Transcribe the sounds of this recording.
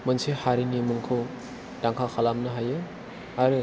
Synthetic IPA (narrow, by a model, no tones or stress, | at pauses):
mɯnsehaɾinimɯŋkʰɯ | d̥aŋkʰakʰalamnɐɦajɯ | aɾɯ